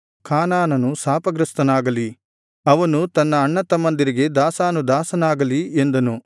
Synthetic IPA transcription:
kaːnaːnɐnusaːpɐɡɾɐst̪ɐnaːɡɐli | ɐʋɐnut̪ɐnːɐːɳːɐt̪ɐmɐnd̪iɾiɡe̞d̪aːsaːnud̪aːsɐnaːɡɐliend̪ɐnu

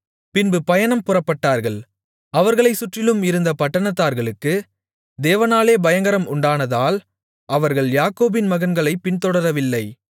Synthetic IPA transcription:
pɪnbɯpɐjɐnɐmpʊrɐpːɐʈːaːɾɣɐɭ | ɐʋɐɾɣɐɭɐɪsʊʈrɪlɯmɪɾɯnd̪ɐpɐʈːɐɳɐt̪̬ːaːɾɣɐɭɯkːɯ | d̪eːʋɐnaːleːbɐjɐŋɡɐɾɐmʊɳɖaːnɐðaːl | ʔɐʋɐɾɣɐɭjaːkoːbɪnmɐɣɐnɡɐɭɐɪpɪnt̪ɔɽɐɾɐʋɪlːɐɪ

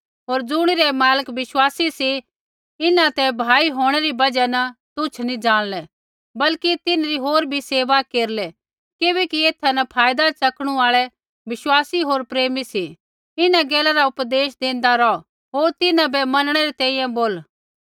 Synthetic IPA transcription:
ɦoːɾd͡zʊɽ̃iɾɛmaːləkʋɪʃwaːsisi | ɪnãt̪ɛbʱaːiɦoːɽ̃ɛɾibɐd͡ʒanɐt̪ʊt͡ʃʰnĩd͡ʒaːɽ̃lɛ | bɐlkit̪ɪnɾiɦoːɾbʱiseːʋakeːɾlɛ | kɪβɛkieːt̪ʰːanɐpʰaːjd̪at͡sɐkɽ̃uaːɭɛ | ʋɪʃwaːsiɦoːɾpɾeːmisi | ɪnãɡɛːlaɾaʊpd̪eːʃd̪ẽːnd̪aɾɔ | ɦoːɾt̪ɪnãbɛmɐnəɽ̃ɛɾit̪ɛ̃ːĩjãboːl

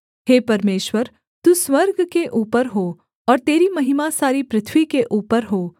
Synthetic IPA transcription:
ɦeːpɐɾmeːʃwəɾ | t̪uːswəɾɡkeʔuːpəɾɦoː | ɔːɾt̪eːɾimɐɦɪmasaːɾipɾɪt̪ʰwikeʔuːpəɾɦoː

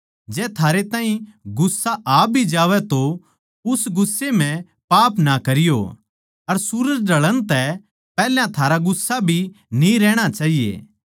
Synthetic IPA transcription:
d͡ʒɛːt̪ʰaːɾet̪aːĩɡʊsːaʔaːbʱid͡ʒaːʋɛt̪o | ʊsɡʊsːem̤ɛ̃ | paːpnakɐɾɪjo̰ | ɐɾsʊɾəd͡ʒɖɐɭəñt̪ɛ | pɛːljãt̪ʰaːɾaɡʊsːabʱinĩɾɛːɽ̃at͡ʃaːɦijḛː

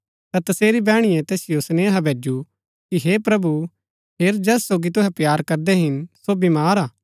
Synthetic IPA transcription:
t̪at̪ɐseːɾibɛːɽ̃ɪjɛ̃t̪ɛːsɪjosneːɦabʱeːd͡ʒu | kiɦepɾɐbu | peːɾd͡ʒɛːsːoːɡit̪ʊɦɛpjaːɾkɐɾd̪ɛɦɪnsobimaːɾaː

